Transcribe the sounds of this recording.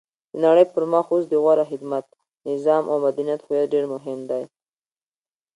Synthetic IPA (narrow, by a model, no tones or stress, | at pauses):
d̪̥ənaɽəjpəɾmɑxosd̪əɣwaɾaxɪd̪mat̪̚ | nɪzɑmʔa̰wmad̪anijat̪xujaɖeɾmʊɦɪmd̪aj